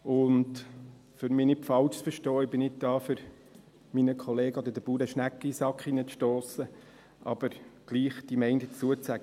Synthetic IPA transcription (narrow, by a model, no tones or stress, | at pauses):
ʊnd | føɾmɪːnɪpfɑlʃsfəɾʃtɔːɪbɪnɪt̚dɑːfʏɾ | minəkʰχɔleːɡəod̪ədəb̥uːɾəʃnækːisɑkχinət͡sʃtoːsə | ʔɑ̰b̥əɾɡ̥liːχd̥imɛɪndət͡suət͡sæɡ̥ə